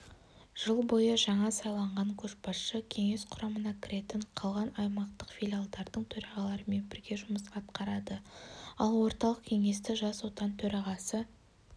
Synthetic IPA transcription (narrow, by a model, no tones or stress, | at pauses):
ʒ̥əlˠbo̞jəʒɑɴɑsɑjlˠɑɴʁɑŋkʲʰɵʃpɑsʃəkʲʰe̞ŋe̞sqʰʊɾɑmənɑkʲʰɪɾe̞t̪ɪɴqʰɑlˠʁɑnɑjmɑqt̪əqfijlʲialˠd̪ɑɾd̪əɴt̪ʰɵɾɑʁɑlˠɑɾəme̞nbɪɾɡʲe̞ʒʊməsɑt̪qɑɾɑd̪əɑlˠwo̞ɾt̪ɑlˠəqkʲʰe̞ŋe̞st̪ɪʒɑswo̞t̪ɑnt̪ʰɵɾɑʁɑsə